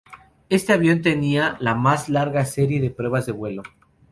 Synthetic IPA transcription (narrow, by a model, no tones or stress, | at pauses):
e̞st̪eaβjo̞nt̪e̞nialamazlaɾɣase̞ɾje̞ðe̞pɾwe̞βazðe̞βwe̞lo